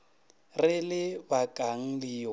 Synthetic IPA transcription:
rɪlɪbakʼaŋ̩lɪ

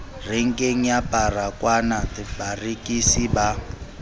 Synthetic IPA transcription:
reŋ̩kʼeŋ̩japʼarakwanadibarikʼisiba

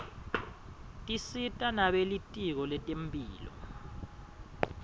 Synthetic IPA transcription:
tʼisitʼanaɓelitʼik̬ɔlɛtʼempʼiːlɔ̰

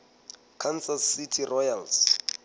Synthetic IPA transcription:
kʰansasːitʰirɔjals

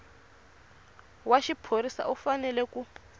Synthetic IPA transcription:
waʃipʰoɾisa̰ʔufanɛlɛku

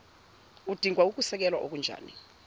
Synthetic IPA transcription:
ud̥ʱiŋʱwauk̬usɛk̬ɛlwaʔok̬und͡ʒʱa̰ːni

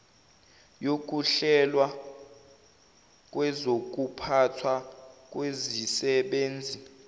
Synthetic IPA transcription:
jok̬ʼuɬɛlwa | k̬ʼwɛzok̬ʼupʰatʰwak̬ʼwezisɛɓeːnd͡zʱi

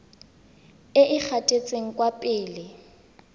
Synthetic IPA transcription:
ɪʔɪk͡xʰatʼet͡sʼeŋ̩kʼwapʼɪːlɪ

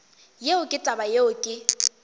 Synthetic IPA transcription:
jeʊkʼɪtʼabajeʊkʼɪ

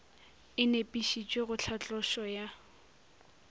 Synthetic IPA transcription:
ɪnepʼiʃit͡ʃʼweɣʊt͡ɬʰat͡ɬʼɔʃɔja

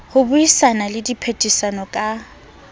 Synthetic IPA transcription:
hʊbʊisanalɪdipʰetʼisanɔkʼa

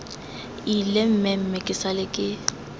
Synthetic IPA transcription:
ilem̩mɛm̩mɛkʼɪsalɪkʼɪ

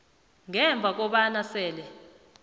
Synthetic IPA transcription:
ŋɛɱb̪vʱak̬ɔɓanasɛːlɛ

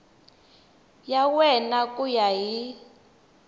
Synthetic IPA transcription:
jawɛnakujaɦi

